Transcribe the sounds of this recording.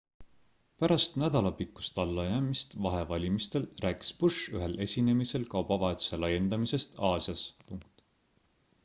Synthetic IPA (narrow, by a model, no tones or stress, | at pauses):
pæɾɑst̪næd̪̥ɑlɑpikːˑu̥st̪ɑlːɑjæːmist̪vɑɦe̞vɑlʲimist̪e̞lræːki̥spuʃyɦe̞le̞sʲine̞mise̞lkɑwb̥ɑvɑet̪u̥se̞lɑje̞nd̪̥ɑmise̞st̪ɑːsjɑspuŋkt̪